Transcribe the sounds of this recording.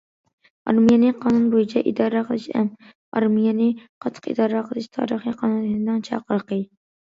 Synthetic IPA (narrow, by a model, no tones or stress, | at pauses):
ɑ̰ɾmijɛnɪqʰɑːnunbojit͡ʃʰɛʔid̪ɑɾɑqʰəlˠɨʃɛ̰m | ɑ̰ɾmijɛnɪqʰɑt̪ʰːə̥qḭd̪ɑːɾɑqʰəlˠɪʃt̪ʰɑ̰ɾəχiqʰɑnunɪd̪ɪŋt͡ʃʰɑ̰qəɾqə